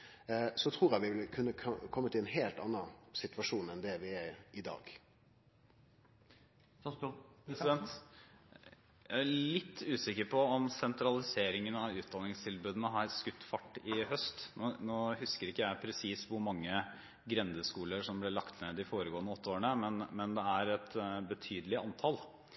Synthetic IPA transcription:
sɔt̪ʰɾuːɾjæʋɪʋɪlkʰʉnːəkʰɔmːət̪ʰɪɛnɦeːlt̪ɑ̰nːəsɪt̪ʉʋɑʂuːnɛnd̪ɛʋɪɛɾɪd̪ɑ̰ːɡ̥ | ɾsɪɛnt̪ | jæælɪt̪ʰːʉːsɪkːəɾpʰɔɔmsɛnt̪ɾɑlɪseːɾɪŋənɑʋʉːt̪̚d̪ɑnːɪŋst̪ʰɪlbʉːd̪ənəɦɑɾskʉt̪ːfɑʈːɪhœst̪noːnoːhʉskəɾɪkːəjæɪpʰɾɛsiːsʋʊɾmɑŋːə | ɡɾɛnd̪əskuːləɾʂɔmblɛɭɑkt̪ʰneːd̪ɪfoːɾəɡoːənəɔt̪ːəoːəɳəmɛnmɛnd̪ɛæɾɛt̪bət̪ʰyːd̪əlɪɑnt̪ʰɑl

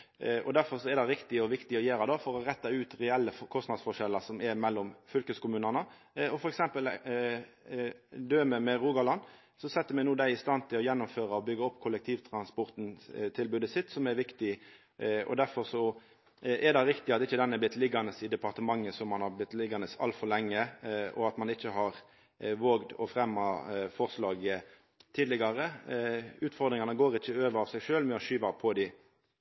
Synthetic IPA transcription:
ɔd̪æɾfɔɾsɔɛɾd̪ɛɪɾɪkt̪ɪɔʋɪkt̪ɪɔjeːɾɑd̪ɑfɔɾɔɾɛt̪ːɑʉːt̪ɾɛɛlːəkʰɔstnɑd̪sfɔʂɛlːəsɔmɛɾmɛlːɔmfʏlkəskʊmʉːnənə | ɔfɔɾɛksɛmpəl | d̪øːməmɛɾuːɡɑlɑnː | sɔsɛt̪ːəɾmɛnuːd̪æɪɪst̪ɑnt̪ʰɪlɔjɛnːɔmføːɾəɔbʏɡəɔpːkʰʊlək̚t̪ʰiːʋt̪ʰɾɑnspɔɾt̪nt̪ʰɪlbʉːd̪əsɪt̪ːsɔmɛɾʋɪkt̪ɪ | ɔ̰d̪æɾfɔɾsɔ | ɛɾd̪ɑɾɪkt̪ɪɑt̪ɪçːəd̪ɛnːəblɪt̪lɪɡɑnəsɪd̪ɛpɑʁt̪əmɑŋːəsɔmːɑnhɑɾblɪt̪ːlɪɡɑnəsɑ̰lt̪fɔɾlɛŋːəɔ̰ɑt̪mɑnɪçːəɦɑɾ | ʋoːɡd̪ɔ̰fɾɛmːɑfɔʁslɑːɡə | t̪ʰiːd̪lɪɡɑɾə | ʉːt̪fɔʁd̪ɾɪŋɑnəɡoːɾɪçːəøːʋəɾɑʋsɛɪɡʂøːlmɛɔʃyːʋɑpʰɔd̪ɪ

